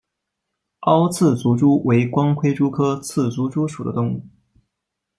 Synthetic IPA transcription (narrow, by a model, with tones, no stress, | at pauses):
ɑ˥ʊt͡sʰɹ̩˥˩t͡su˧˥ʈ͡ʂu˥wʔe˧˥ɪkwɑ˥ŋkʰwe˥ɪʈ͡ʂu˥kʰɤ˥t͡sʰɹ̩˥˩t͡su˧˥ʈ͡ʂu˥ʂu˨˩d̪ə̰˦t̪ʊ˥˧ŋu˥˩